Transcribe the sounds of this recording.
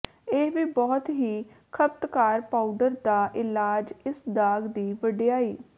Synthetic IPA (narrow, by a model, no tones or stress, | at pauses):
eːʋiːbɔːt̪ɦiː | kʰəp̚t̪kaːɾpaːuɖəɾd̪aːʔɪlaːd͡ʒɪsd̪aːɡd̪iːʋəɖijaːiː